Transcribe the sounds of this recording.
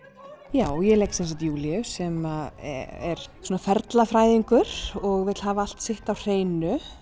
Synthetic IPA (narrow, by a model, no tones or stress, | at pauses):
jaːwjɛlejksɛnsaht̪juːliʏsɛma̰ | ɛ̰ɾ̥sɔːnafɛɾt̪lafɾaːjðiŋkʏɾ̥ɔɣvɛt̪lhaːvaal̥t̪sɪht̪awr̥eːjnʏ